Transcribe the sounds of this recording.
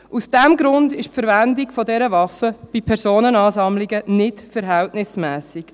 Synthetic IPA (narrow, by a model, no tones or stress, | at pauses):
ʔusd̥ɛmɡɾʊndɪʃpfəɾvændɪkfɔdɛɾəvɑfəb̥ipʰɛɾsoːnənɑːsɑmlɪɡənɪtfəɾɦɛltnɪsmɛːsɪk